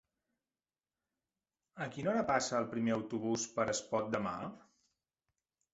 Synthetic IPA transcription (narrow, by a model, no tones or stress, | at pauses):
əkinɔɾəpasəːlˠpɾimeəwt̪uβ̞uspəɾəspɔt̪̚d̪əma̰